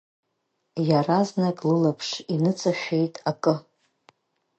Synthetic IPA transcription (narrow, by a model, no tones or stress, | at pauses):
jaraznakʼlɨlapʰʂinɨt͡sʼaʃʲᶣejtʼakʼɨ